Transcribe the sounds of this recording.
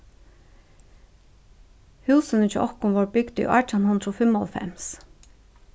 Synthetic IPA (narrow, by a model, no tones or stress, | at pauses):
hʉːsənət͡ʃɛʔɔhkʊnʋɔɹbʏɡd̪̥ʏ̰ʔɑ̰ːʈʰanhʊnd̪ɾɔfɪmɔlfɛ̰ms